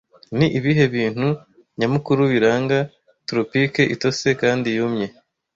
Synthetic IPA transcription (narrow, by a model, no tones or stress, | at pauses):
niʔiβiɦe̞βiːn̥hu | ɲamukuɾuβiɾaːŋɡa | tɾopike̞ʔito̞se̞kaːndijumɲe̞